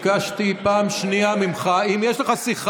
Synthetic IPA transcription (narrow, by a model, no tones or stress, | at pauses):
kaʃt̪ipaːmʃniamimχaimjɛʃleχasiχ